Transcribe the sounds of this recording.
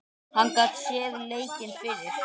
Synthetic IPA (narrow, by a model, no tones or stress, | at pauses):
hanːkaːt̪sɛːðleːjcɪnfɪɾɪɾ̥